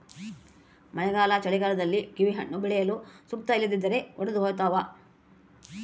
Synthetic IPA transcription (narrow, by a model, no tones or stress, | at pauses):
mɐnɛɡaːlat͡ʃɐɭiɡaːlɐd̪ɐlːiɡiʋiɦɐɳːubɛɭɛjɐlusuk̚t̪ɐilːid̪id̪ːɐɾe̞ɔɽɐd̪uɦoːjt̪aːʋa